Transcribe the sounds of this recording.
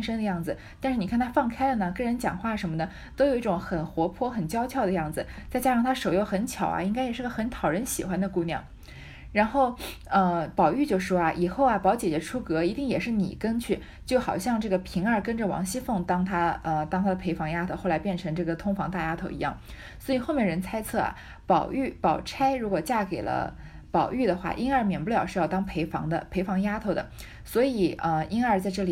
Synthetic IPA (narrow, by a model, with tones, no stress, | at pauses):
nʂə˥ŋd̪ə˧jɑ˥˩ŋd͡zɹ̩˩t̪a˥˧nʂɻ̩˥˩ni˩˥˩nt̪ʰa˥fɑ˥˩ŋkʰa˥ɪlə˨nə˩kɤ˥˩ɻə˧˥nt͡ɕjɑ̰˨˩ŋxwa˥˩ʂə˧˥nmə˧nə˩ | t̪o˥ʊjo˨˩ʊi˥˩ʈ͡ʂʊ˨˧˥ŋxə˨˩nxwɔ˧˥pʰwɔ˥xə˨˩nt͡ɕjɑ˥ʊt͡ɕʰjɑ˥˩ʊd̪ə˩jɑ˥˩ŋd͡zɹ̩˩t͡sa˥˧ɪt͡ɕja˥ʂɑ˥˩ŋt̪ʰa˥ʂo˨˩ʊjo˥˩ʊxə˧˥nt͡ɕʰjɑ̰˨˩ʊɐ̰˦i˥ŋka˥jɛ˨˩ʂɻ̩˥˩ɡə˧xə˧˥nt̪ʰɑ˨˩ʊɻə˧˥nɕi˨˩xwa˥nd̪ə˨˧ku˥˧njɑ̰˥˩ŋ | ɻa˧˥nxo˥˩ʊ | ə˧pɑ˨˩ʊy˥˧t͡ɕjo˥˧ʊʂwɔ˥ɐ˩ʔi˨˩xo˥˩ʊɐ˩pɑ˧˥ʊt͡ɕjɛ˨˩t͡ɕɛ˧˥ʈ͡ʂʰu˥kɤ˧˥i˧˥t̪i˥˩ŋjɛ˨˩ʂɻ̩˥˩nḭ˨˩kə˥nt͡ɕʰy˥˩ | t͡ɕjo˥˩ʊxɑ˨˩ʊɕjɑ˥˧ŋʈ͡ʂɤ˥˩ɡə˩pʰi˧˥ŋə˞˧˩kə˥nʈ͡ʂə˨wɑ̰˧˥ŋɕi˥fɤ˥˩ŋt̪ɑ˥ŋt̪ʰa˥ə˧t̪ɑ˥ŋt̪ʰa˥d̪ə˨pʰe˧˥ɪfɑ˧˥ŋja˥t̪ʰo˥˧ʊxla˧˥ɪpjɛ˥˩nʈ͡ʂʰɤ˧˥ŋʈ͡ʂɤ˥˩ɡə˩t̪ʰʊ˥ŋfɑ˧˥ŋt̪a˥˩ja˥t̪ʰo˥˩ʊḭ˧˥jɑ˥˩ŋ | swɔ˧˥i˨˩xo˥˧ʊmjɛ˥˩ɻə˧˥nt͡sʰa˥ɪt͡sʰɤ˥˩ɐ̰˩ | pɑ˨˩ʊy˥˩pɑ˨˩ʊʈ͡ʂʰa˥ɪɻu˧˥kwɔ˨˩t͡ɕja˥˩ke˨˩ɪlə̰˦ | pɑ˨˩ʊy˥˩d̪ə˩xwa̰˥˩ʔi˥nə˞˧˥mjɛ˨˩npljɑ˨˩ʂɻ̩˥˧jɑ˥˧ʊt̪ɑ˥ŋpʰe˧˥ɪfɑ̰˧˥ŋd̪ə̰˧pʰe˧˥ɪfɑ˧˥ŋja˥t̪ʰo˥˩ʊd̪ə̰˩ | swɔ˧˥i˨˩˦ə˧i˥nə˞˥˧t͡sa˥˧ɪʈ͡ʂɤ˥˩li˨˩